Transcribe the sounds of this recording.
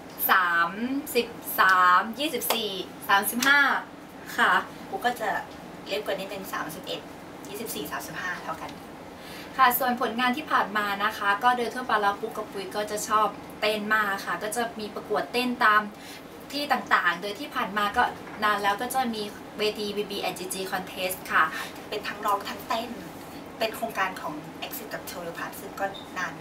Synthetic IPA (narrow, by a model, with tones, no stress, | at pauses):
saː˩˦msi˨˩p̚saː˩˦mjiː˥˩si˨˩p̚siː˨˩ | saː˨˩˦msi˨˩p̚ɦaː˥˩ | kʰa˥˩ | kuː˧˥kɔː˥˩t͡ɕa˨˩ | li˦˥˩p̚kɤ˨˩niː˦˥˩t̪e˧nsa̰ː˩˦msi˨˩p̚ʔe˨˩t̪̚ | jiː˥˩si˨˩p̚siː˨˩saː˩˦msi˨˩p̚haː˥˩t̪ʰa˦˥˩wka˧n | kʰa˥˩su˨˩ənpʰo˩˦nŋaː˧nt̪ʰiː˥˩pʰaː˨˩nmaː˧na˦˥kʰa˦˥kɔː˥˩dɤː˧nt̪ʰu˥˩paː˧laː˧˥kʰu˦˥kːa˨˩p̚ʰːu˧˩jkɔː˥˩t͡ɕa˨˩t͡ɕʰɔː˥˩p̚ | t̪e˥˩nmaː˥˩ka˨˩kʰa˥˩kɔː˥˩t͡ɕa˨˩miː˧pɾa˧ku˨˩ət̪ːe˥˩nt̪aː˧m | t̪ʰiː˥˩t̪aː˨˩ŋt̪aː˨˩ŋdoː˧jt̪ʰiː˥˩pʰaː˨˩nmaː˧kɔː˥˩ | naː˧nlɛː˦˥wkɔː˥˩t͡ɕa˨˩miː˧ | weː˧t̪ʰiː˧wiː˧biː˧ʔa˧diː˧t͡ɕiː˧kʰɔ˧nt̪ʰe˦˥st̪̚kʰa˥˩ | pe˧nt̪ʰa˦˥ŋɾɔː˥˩k̚t̪ʰa˦˥ŋt̪e˥˩n˦ | pe˧nkʰɾoː˧ŋkaː˧nkʰɔː˩˦ŋʔe˦˥k̚si˦˥t̪̚ka˨˩p̚t͡ɕʰoː˧lo˧pʰaː˧˩t̪̚sɯ˥˩ŋkɔː˥˩ | naː˧n